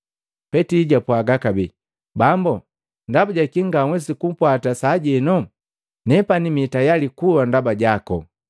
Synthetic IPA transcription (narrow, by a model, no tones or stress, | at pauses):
pɛtiːɟapwaɡakabi | bambu | ndabaɟakiŋɡaŋwɛs̬ikum̩pwatasaɟɛnɔ | nɛpanimitajalikuwandabaɟakɔ̰